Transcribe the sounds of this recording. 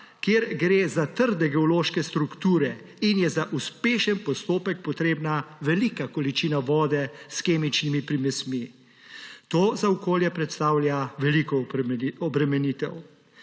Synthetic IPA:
kjeːɾɡɾezat̪əɾd̪ɛɡɛɔloːʃkɛst̪ɾukt̪uːɾɛ | injɛzaʔuspeːʃənpɔst̪oːpɛk̚pɔt̪ɾeːbnaʋɛlikakɔlit͡ʃiːnaʋɔːd̪ɛskeːmit͡ʃnimipɾimɛsmi | t̪oːzaɔkoːljɛpɾɛt̪st̪aːwljaʋɛlikɔɔbɾɛmɛniːt̪ɛ̰w

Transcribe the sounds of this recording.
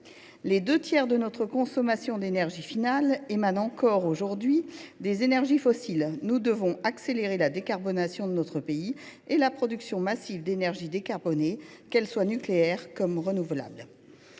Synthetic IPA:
led̪øt̪jɛʁd̪ənɔt̪χəkɔ̃sɔmasjɔ̃d̪enɛʁʒifinalemanɑ̃kɔʁoʒuʁd̪ɥid̪ezenɛʁʒifɔsilnud̪əvɔ̃akseleʁelad̪ekaʁbɔnasjɔ̃d̪ənɔt̪χəpei | elapχɔd̪yksjɔ̃masivd̪enɛʁʒid̪ekaʁbɔne | kɛlswanykleɛʁkɔmʁənuvla̰bl

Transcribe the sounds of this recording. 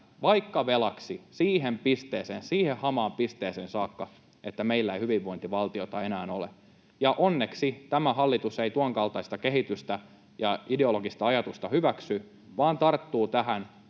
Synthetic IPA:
ʋɑikːɑʋelɑksisiːɦempist̪eːseːnsiːhehɑmɑːmpist̪eːseːnsɑːkːɑ | et̪ːæmeilːæeihyʋiʋːo̞int̪iʋɑlt̪iot̪ɑenæːnolḛ | jɑʔonːeksit̪æmæhɑlːit̪useit̪uɑŋkɑlt̪ɑist̪ɑkeɦit̪yst̪æ | jɑideo̞loɡist̪ɑɑjɑt̪ust̪ɑhyʋæksy | ʋɑːnt̪ɑrt̪ːuːt̪æhæn

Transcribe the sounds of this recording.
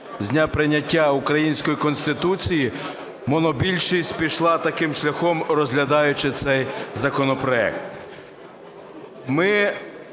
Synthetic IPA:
zʲnʲapɾɪnʲːɐtʲːaʊkɾɐjinʲsʲkɔjikɔnsʲt̪ɪt̪ut͡sʲiji | mɔnɔbʲilʲʃisʲt̚ʲpʲiʃlˠɑt̪ɐkɪmʃlʲɐxɔmɾɔzʲɦlʲɐd̪ɑjʊt͡ʃɪt̪sɛjzɐkɔnɔpɾɔɛ̰k̚t̪ | mɪ

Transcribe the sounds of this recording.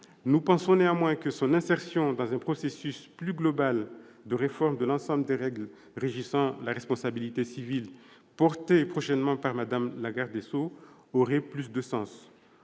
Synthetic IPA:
nupɑ̃sɔ̃neɑ̃mwɛ̃kəsɔ̃nɛ̃sɛʁsjɔ̃d̪ɑ̃zɛ̃pχɔsesysplyɡlɔbal | d̪əʁefɔʁmd̪əlɑ̃sɑ̃bləd̪eʁɛɡl | ʁeʒisɑ̃laʁɛspɔ̃sabilit̪esivil | pɔʁt̪epχɔʃɛnmɑ̃paʁmad̪amlaɡaʁd̪eso | ɔʁɛplysd̪əsɑ̃s

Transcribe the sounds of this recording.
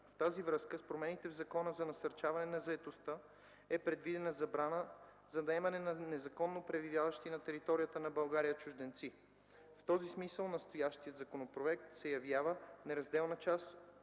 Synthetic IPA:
ft̪azivɾɤskəspɾomɛnit̪ɛvzɐkɔnəzɐnɐsɐɾt͡ʃavɐnɛnɐzɐɛt̪ost̪ə | ɛpɾɛd̪vid̪ɛnəzɐbɾanə | zɐnɐɛmɐnɛnɐnɛzɐkɔnːopɾɛvivʲjavəʃt̪inɐt̪ɛɾit̪ɔɾijət̪ənɐbɐlˠɡaɾijət͡ʃʊʒd̪ɛnt̪si | ft̪ɔzismisəlˠnɐst̪ojaʃt̪ijəd̪zɐkonopɾoɛk̚t̪sɛjɐvjavənɛɾɐzd̪ɛlˠnət͡ʃas

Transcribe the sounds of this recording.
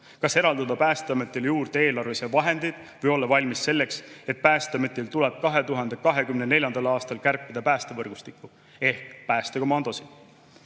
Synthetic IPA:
kɑse̞ɾɑld̪ɑd̪ɑpæːst̪eɑmet̪ːˑeljuːrd̪̥ee̞ːlɑɾrvesevɑɦe̞nd̪̥id̪̥ | vɤjo̞lːɑvɑlʲmisːe̞lːe̞kse̞t̪̚pæːst̪ɑmet̪ːˑilt̪uleb̥̚kɑɦe̞t̪uɦɑnd̪ekɑɦe̞kymne̞ne̞lʲjɑnd̪̥ɑlɑːst̪ɑlkærpːid̪̥ɑpæːst̪evɤrɡ̥ust̪ikːˑu | e̞hkpæːst̪ekomɑnd̪̥o̞sid̪̥

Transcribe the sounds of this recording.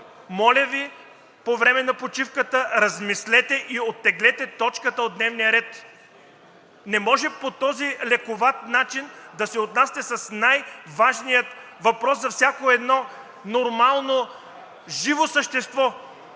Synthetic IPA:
mɔlʲɐvi | povɾɛmɛnɐpot͡ʃifkət̪əɾɐzmislɛt̪ɛʔiot̪ːɛɡlɛt̪ɛt̪ɔt͡ʃkət̪əod̪nɛvnijəɾɛt̪ | nɛmɔʒɛpot̪ɔzilɛkovat̪nat͡ʃind̪ɐsɛot̪nasi̥t̪ɛsɐsnajvaʒnijət̪ | vɐpɾɔszɐfsʲakoɛd̪nɔ | noɾmalˠno | ʒivosəʃt̪ɛst̪vɔ

